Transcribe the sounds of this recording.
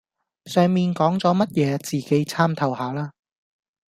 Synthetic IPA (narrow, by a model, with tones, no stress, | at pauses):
sœː˨ŋmiː˨nkɔː˨˥ŋt͡sɔː˨˥mɐ˥t̚jɛː˨˧t͡siː˨˩ke˨˥jt͡sʰaː˥mt̪ʰɐ˨˩whaː˨˦laː˥